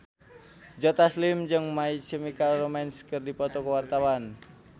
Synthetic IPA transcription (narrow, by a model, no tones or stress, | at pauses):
d͡ʒɔt̪aslimd͡ʒɨŋmait͡ʃəmikalromɛnskərdipɔt̪ɔkəwart̪awan